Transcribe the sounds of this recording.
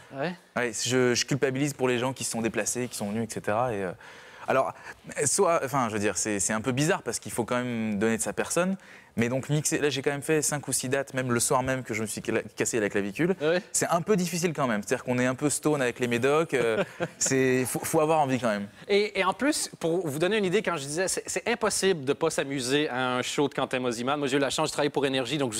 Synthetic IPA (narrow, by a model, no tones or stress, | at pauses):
wɛ | wɛʒəʒəkʲylpabilizpuʁleʒɑ̃kʲisə̥sɔ̃d̪eplasekʲi̥sɔ̃vənyɛkset̪eʁaeøa̰lɔʁswaɑ̃fɛ̃ʒəvəd̪iʁsɛsɛɛ̃pøbizaʁpaʁsə̥kilfokɑ̃mɛmd̪ɔneəsapɛʁsɔn | mɛd̪ɔ̃kmikselaʒekɑ̃mɛmfɛsɛ̃kusid̪at̪mɛmləswaʁmɛmkəʒəməsɥikaseavɛklavikʲylwisɛɛ̃pød̪ifis̬ilkɑ̃mɛmset̪ad̪iʁkɔ̃nɛɛ̃pøst̪onavɛklemed̪ɔkʲøsɛfofoavwaʁɑ̃vikɑ̃mɛmeːɑ̃plyspuʁvud̪ɔneynid̪ekɑ̃ʒəd̪izɛsɛsɛɛ̃pɔsibləd̪əpasamyzeaɛ̃ʃod̪əkɑ̃t̪ɛmɔzimanmwaʒeylaʃɑ̃ʒət̪χavajpuʁenɛʁʒid̪ɔ̃kʒ